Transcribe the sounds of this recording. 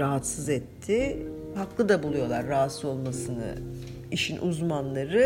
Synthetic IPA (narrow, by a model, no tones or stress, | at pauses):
ɾaɦat̪sɯzɛt̪ʰːɪ | haklˠɯd̪abulˠujo̞lˠaɾːaɦat̪sɯo̞lˠmasɯnɯ̰ | iʃinʔuzmanlˠaɾɯ